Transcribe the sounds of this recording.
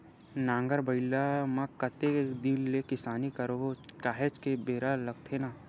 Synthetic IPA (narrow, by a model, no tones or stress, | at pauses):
nãːŋɡəɾbəɪlamãkɐt̪ed̪illekɪsaːnikɐɾookaːɦet͡ʃkebeːɾalɐɡ̚t̪ʰenaː